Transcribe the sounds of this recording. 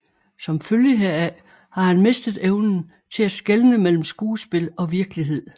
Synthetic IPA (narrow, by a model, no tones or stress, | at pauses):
sɒ̽mføljəɦeɐæ | hɑ̈hænme̝sd̥ð̞̩ˠeʊnn̩ | t͡sʰe̝æsɡ̥elnəmel̰m̩sɡ̥uːsb̥e̝lɒ̽ʋiɐɡ̥əliɦe̝ð̞̰ˠ